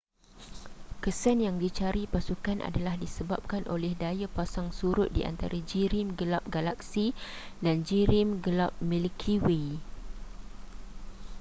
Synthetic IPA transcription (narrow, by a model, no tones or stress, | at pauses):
kəsanjaŋdit͡ʃaɾipasukanʔa̰dalahdisəbap̚kanʔo̰lɛhdajapasaŋsuɾʊt̪̚diʔa̰nt̪a̰ɾʔad͡ʒiɾɪmɡəlap̚ɡalak̚sidand͡ʒiɾɪmɡəlap̚milkʰiwe